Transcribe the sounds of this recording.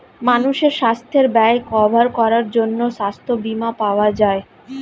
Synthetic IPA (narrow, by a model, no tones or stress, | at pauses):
manuʃeɾʃast̪ʰeɾbɛkɔbʱaɾkɔɾaɾd͡ʑonːoʃast̪ʰobimapaoad͡ʑae